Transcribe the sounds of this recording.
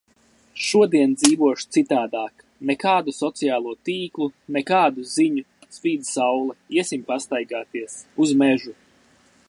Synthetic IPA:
ʃuɔd̪iɛnd̪ziːvuɔʃt̪sit̪aːd̪aːk | nɛkaːd̪usɔt̪sijaːlˠuɔt̪iːklˠunɛkaːd̪uziɲu | svʲiːd̪sawlˠɛiɛsimpast̪ajɡaːt̪iɛsuzmɛʒu

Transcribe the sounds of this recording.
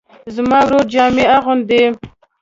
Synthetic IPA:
zmɑwɾoɾd͡ʒɑmeaɣʊnd̪e

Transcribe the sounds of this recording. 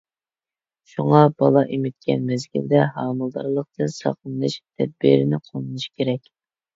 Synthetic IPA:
ʃuŋɑbɑlˠɑʔimɪt̪̚kʲɛ̰nmɛzɡʲḭld̪ɛɦɑːmɨlˠd̪ɑɾlˠəq̚t̪ɨnsɑ̰qʰnɨʃt̪ʰɛd̪̚bḭɾɪnɪqʰonˠɨnɨʃkʲʰeɾɛkʲ

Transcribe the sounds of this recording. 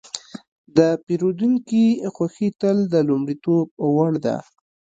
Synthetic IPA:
d̪əpiɾod̪uŋkixwaxit̪əld̪əlʊmɽit̪ob̚waɽd̪a̰

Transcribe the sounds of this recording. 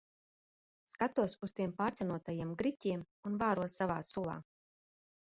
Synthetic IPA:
skat̪uɔsust̪iɛmpaːɾt̪sɛnuɔt̪ajiɛmɡɾicʲiɛm | unvaːɾuɔsavaːsulˠa̰ː

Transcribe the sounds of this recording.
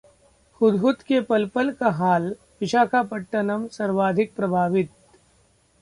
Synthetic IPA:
xʊd̪ɦʊt̪kepɐlpəlkaɦaːl | ʋɪʃaːkʰapɐʈːənɐmsɐɾʋaːd̪ʱɪk̚pɾɐbʱaːʋɪt̪̚

